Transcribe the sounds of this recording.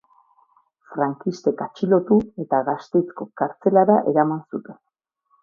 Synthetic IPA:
fɾaŋkist̪e̞kat͡ʃilo̞t̪ue̞t̪aɣast̪e̞jt͡sko̞kaɾt͡se̞laɾaʔe̞ɾamansut̪e̞n

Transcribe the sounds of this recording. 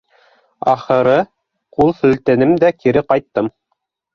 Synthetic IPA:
ɑ̰χɤ̆ɾɤ | qulˠsɵ̆lt̪ɘnɘmd̪ækiɾɘqɑjt̪ːɤm

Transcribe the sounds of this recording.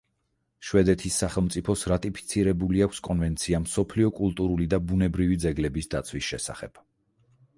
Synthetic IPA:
ʃwɛd̪ɛt̪ʰisːaχɛlˠmt̪sʼipʰɔsɾat̪ʼipʰi̥t̪sʰiɾɛbuliakʰskʼɔnvɛnt̪sʰiamsɔpʰliɔkʼulˠt̪ʼuɾulid̪abunɛbɾivid̪zɛɡlɛbisd̪at̪sʰwisʃɛsa̰χɛ̰b̥

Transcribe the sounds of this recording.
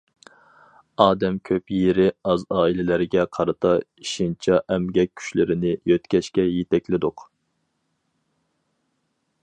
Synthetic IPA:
ɑːd̪ɛmkʲʰøpjeɾɪɑzɑːilɪlɪɾɡʲɛqʰɑɾɨt̪ʰɑiʃint͡ʃʰɑʔɛmɡʲɛk̚ʲʰːy̥ʃlɪɾɪnɪjøt̪kʲɛʃkʲɛjet̪ʰɛkʲlɪd̪ʊq

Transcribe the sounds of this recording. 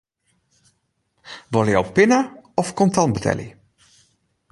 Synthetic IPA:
ʋɔləjɔwpɪnəɔfkɔntɑnbətʰɛ̰lḭ

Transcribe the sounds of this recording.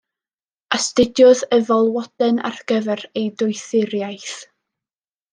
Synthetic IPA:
astɪdjʊðəvɔlˠwɔd̥ɛna̰rɡ̥əvɛrejdʊɨθɪɾjajθ

